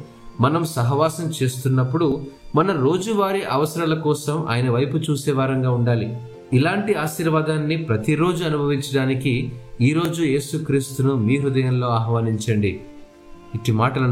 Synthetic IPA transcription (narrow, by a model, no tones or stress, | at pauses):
mɐnɐmsɐɦɐʋaːsɐmt͡ʃe̞ːst̪unːɐpːuɽumɐnɐɾo̞ːd͡ʒuʋaːɾiʔɐʋɐsɐɾɐlɐkɔːsɐmʔa̰ːjɐnɐʋɐjput͡ʃuːsɛːʋaːɾɐŋɡaːuɳɖaːli | ilaːɳʈiaːʃiːɾʋaːd̪aːnːipɾɐt̪iɾo̞ːd͡ʒuɐnubʱɐʋiɲt͡ʃɐɽaːnikiiːɾo̞ːd͡ʒuje̞ːsukɾiːst̪unumiːɾud̪ɐjɐmlo̞ːaːɦʋaːniɲt͡ʃɐɳɖḭ | iʈːimaːʈɐlɐ